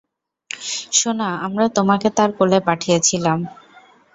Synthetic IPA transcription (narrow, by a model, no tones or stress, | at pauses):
ʃonaamɾat̪omaket̪aɾkolepaʈʰijet͡ɕʰilam